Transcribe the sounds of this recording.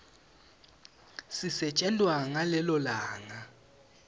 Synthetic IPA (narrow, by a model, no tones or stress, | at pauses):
sisɛt͡ʃʼɛndʼwaŋalɛlɔlaːŋa